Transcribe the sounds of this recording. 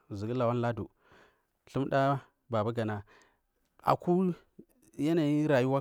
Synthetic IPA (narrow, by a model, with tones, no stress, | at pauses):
zi˨ɡi˦la˨wa˦nla˦dṵ˨ | ɬu˦m˦ɗa˦ | ba˨ba˦ɡa˨na˦ | a̰˨ku˦ | ja˦na˨ji˦ɾa˨ju˦wa˦